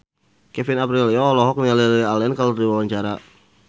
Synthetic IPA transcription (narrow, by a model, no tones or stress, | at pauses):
kɛfɪnapɾiljɔlɔɦɔk̚nialilialɛnkaladiwawaɲt͡ʃaɾa